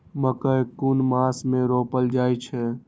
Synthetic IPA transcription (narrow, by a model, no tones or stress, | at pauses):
məkəkunmasmeɾopəld͡ʒajt͡ʃʰɛ